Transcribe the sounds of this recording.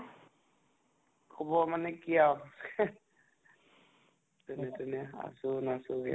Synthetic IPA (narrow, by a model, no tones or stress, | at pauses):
kʰɔbɔmanɛkiaw | tʊnɛtʊnɛa̰sʊnasuɡɛ̰